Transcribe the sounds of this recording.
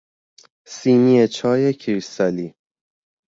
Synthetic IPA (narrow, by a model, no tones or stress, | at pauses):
siːniet͡ʃʰɒːjekʰɾist̪ɒliː